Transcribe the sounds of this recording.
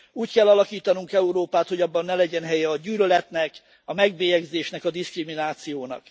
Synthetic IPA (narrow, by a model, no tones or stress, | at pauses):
uːckɛlːɒlɒkiːt̪ɒnuŋkɛuɾoːpaːt̪ho̞ɟɒbːɒnːɛlɛɟɛnɦɛjɛɒɟyːlølɛt̪nɛk | ɒmɛɡbeːjɛɡzeːʃnɛkɒd̪iskriminaːt̪sijoːnɒ̰k